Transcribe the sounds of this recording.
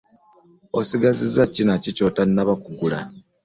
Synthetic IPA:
osiɡazizacinacico̞tanːaβakuɡula

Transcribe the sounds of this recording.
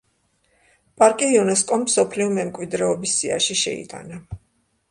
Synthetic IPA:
pʼaɾkʼiːunɛs̬kʼɔmːsɔpʰliɔmɛmkʼwid̪ɾɛɔbisːia̰ʃiʃɛ̰ḭt̪ʼa̰na

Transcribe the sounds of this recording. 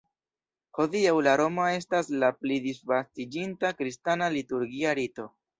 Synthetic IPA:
ho̞diawlaɾo̞moe̞staslaplidisfastid͡ʒintakɾistanalituɾɡiaɾito̞

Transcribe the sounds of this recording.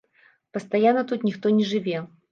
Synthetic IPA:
pɐst̪ajanːɐt̪ut̪nʲixt̪ɔnʲɛʐɨvʲɛ

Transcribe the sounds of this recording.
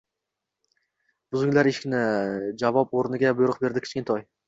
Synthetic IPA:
b̥ʊzʊŋlaɾeʃkʲnɪd͡ʒavɒpoɾnɪɡʲabʊjʊɾʊq̚be̞ɾd̪ɪkʲʰt͡ʃkʲɪnt̪ʰɒj

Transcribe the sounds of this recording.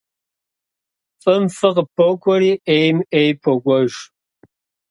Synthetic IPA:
fʼɨmfɨqəpʰokʷʰʼɔɾiːʔejmejpʰoɡʷʼɔʒ

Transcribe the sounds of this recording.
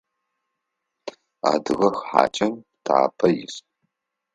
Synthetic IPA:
a̰ːdɨɣɐxħa̰ːt͡ʃʼɐmtʰaːpʰɐjɪs

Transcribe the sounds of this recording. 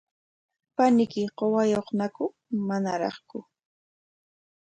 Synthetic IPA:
panɪkɪɢowajoχnakʊ | manaɾɑ̰χkʊ

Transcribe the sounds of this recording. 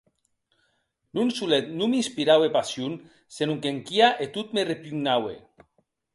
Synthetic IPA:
nunsulet̪numinspiɾawepasjun | senuŋkeŋkiaʔet̪ut̪merepyɡnawḛ

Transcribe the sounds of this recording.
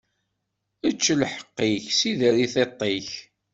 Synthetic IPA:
ət͡ʃːlħə̥qːiçsiðəɾiθet̪ˤːeç

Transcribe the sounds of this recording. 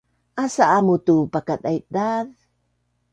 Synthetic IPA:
ʔasaʔamut̪upakat̪aj̚d̪að

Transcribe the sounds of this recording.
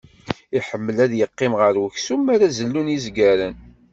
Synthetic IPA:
iħəmːəlæðjəqːɪmʁəɾwəçsumːaɾæzəlːunizɡæɾən

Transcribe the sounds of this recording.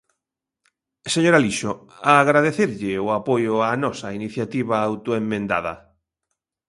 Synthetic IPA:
seɲoɾaliʃʊ | aːɣɾað̞eθeɾʎɪʊapojʊanɔsainiθjat̪iβ̞aawt̪oemːẽnd̪a̰ðɐ̰

